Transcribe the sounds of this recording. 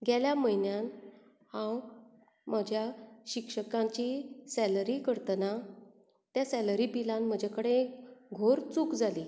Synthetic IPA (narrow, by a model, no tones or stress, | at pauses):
ɡʱjaljaməjnjan | hãw | m̤əd͡ʑʱjaɕikʂəkãɲt͡ɕisæləɾikəɾt̪əna | t̪jasɛləɾipilãnm̤əd͡ʑakəɽẽkɡʱoɾt͡sukd͡zali